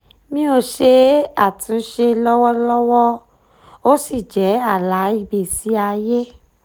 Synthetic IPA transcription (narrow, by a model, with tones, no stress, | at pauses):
mĩ˦o˧ʃe˧a˦˨tũ˨˦ʃe˧lɔ˦wɔ˦lɔ˦wɔ˦ | o˦si˦˨d͡ʒɛ˨˦a˦˨la˨˦i˧be˨si˨˦a˧je˦